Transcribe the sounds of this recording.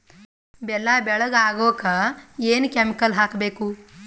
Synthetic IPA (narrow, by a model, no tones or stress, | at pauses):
bɛlaːbɛɭɐɡaːɡoːkɐeːnukemikɐlɦaːkɐbeːku